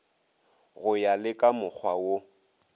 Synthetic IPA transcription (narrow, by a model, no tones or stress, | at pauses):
ɣʊjalɪkʼamʊk͡xʰwawo